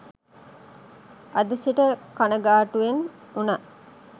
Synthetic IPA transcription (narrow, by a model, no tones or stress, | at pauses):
ʔɐd̪əsiʈəkanəɡaːʈuʋenuna